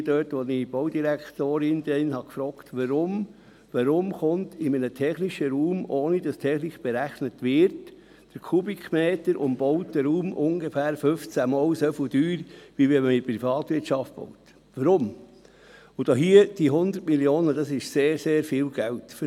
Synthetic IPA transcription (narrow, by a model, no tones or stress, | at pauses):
dœːtʋɔnib̥ɔʊdiɾækt̪oːɾɪndɛnhɑkfɾɔːktʋəɾʊm | ʋəɾʊmχʊntɪmənətʰɛχnɪʃəɾuːmoːnid̥ɑstʰɛχniχb̥eɾæχnətʋɪɾt | d̥əɾkʰubikmɛːtəɾʔʊ̰mb̥ɔʊtd̥əɾuːmʔʊŋɡefæːɾfʏft͡sæmɔwsɛfʊd̥yːɾʋiʋɛməɪpɾifɑːtʋɪtt͡ʃɑft̚b̥ɔ̰wt | ʋəɾʊm | ʊd̥ɔːɦiəd̥iɦʊnd̪əɾtmiljoːnədɑsɪʃseːɾseːɾfiːlɡ̥æwtf